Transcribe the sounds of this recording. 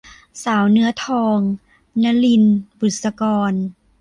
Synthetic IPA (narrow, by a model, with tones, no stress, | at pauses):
saː˩˦wnɯ˧˥ɐt̪ʰɔː˧ŋ | na˧˥li˧nbu˨˩t̪̚sa˧kɔː˧n